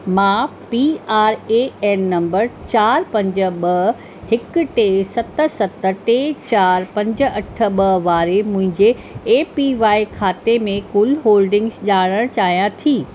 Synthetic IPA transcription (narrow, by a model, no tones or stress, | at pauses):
mãːpiaːɾeɛːnːɐ̃mbəɾt͡ɕaːɾpɐ̃ɲd͡ʑə̆ɓɐɦ | hɪkʊ̆ʈeːsɐt̪ə̆sɐt̪ə̆ʈeːt͡ɕaːɾpɐ̃ɲd͡ʑə̆ɐʈʰə̆ɓɐɦʋaːɾemʊ̃ɦɪ̃ɲd͡ʑeː | piʋaːikʰaːt̪emẽkʊlɦoːlɖɪ̃ŋɡzʄaːɽ̃əɽ̃t͡ɕaːɦijãt̪ʰiː